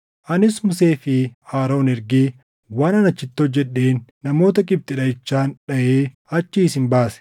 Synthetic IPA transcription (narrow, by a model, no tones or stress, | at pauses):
ʔɐnɪsmʊse̞ːfɪhaːɾo̞ːnɪɾɡiː | waːnɐnɐt͡ʃːɪt̪ːod͡ʒɛᶑːe̞ːnːɐmo̞ːt̪ɐkʼɪb̚t̪ʼɪᶑɐɪt͡ʃːaːnᶑɐʔeː | ɐt͡ʃːiːsɪmbaːsɛ̥